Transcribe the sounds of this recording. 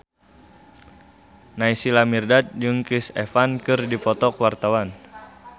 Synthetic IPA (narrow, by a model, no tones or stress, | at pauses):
naisilamirdat̪̚d͡ʒɨŋkisɛ̰fankɨrdipɔt̪ɔkwart̪awan